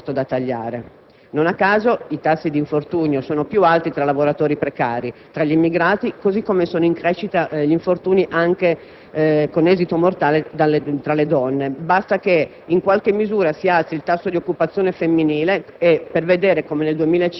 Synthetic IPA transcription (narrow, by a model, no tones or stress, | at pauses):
t̪od̪at̪ːaʎːa̰ːɾe | nonakːaːzoit̪asːid̪iɱfort̪uːɲjosoːnopjualt̪it̪ɾalavoɾat̪oːɾipɾekaːɾit̪ɾaʎːimːiɡɾaːt̪ikozikːomesoːnoiŋkɾeːʃːit̪aʎiɱfort̪uːniʔaŋk̟e | konɛːzit̪omort̪aːled̪alet̪ɾaled̪ɔnːebast̪ake | iŋkwalk̟emːizuːɾasialsilt̪asːod̪iokːupat̪sːjoːnefemːiniːleː | pːerved̪eːɾekomeneld̪uemiːlae